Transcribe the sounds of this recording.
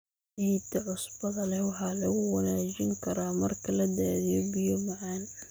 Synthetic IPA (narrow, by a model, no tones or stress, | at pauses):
iːt̪ʰɐʕʊsbɐðɐlɛwɑħɑːlɐɣʊwɐnaːd͡ʒɪŋkʰɐɾaːmɐrkʰɐlɐd̪aːðɪjɔbɪjɔmɐʕan